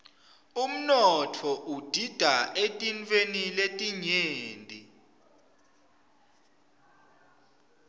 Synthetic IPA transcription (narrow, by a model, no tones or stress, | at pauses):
um̩nɔtʰɔʔud̥ʱid̥ʱaʔetʼint͡feniletʼiɲeːntʼi